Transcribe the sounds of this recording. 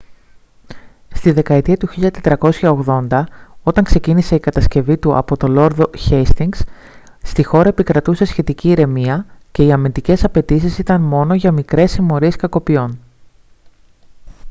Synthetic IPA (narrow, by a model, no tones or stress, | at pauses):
st̪iðe̞kɐet̪iɐt̪uçiʎɐt̪e̞t̪ɾɐko̞sçɐo̞ɣðo̞nd̪ɐo̞t̪ɐŋkse̞cinise̞ikɐt̪ɐsce̞vit̪uɐ̰po̞t̪o̞lo̞ɾðo̞çest̪iŋɡs | st̪ixo̞ɾɐepikɾɐt̪use̞sçe̞t̪iciːɾe̞miɐce̞iɐmind̪ice̞sɐpe̞t̪isisit̪ɐnmo̞no̞ʝɐmikɾe̞simo̞ɾie̞skɐko̞pio̞n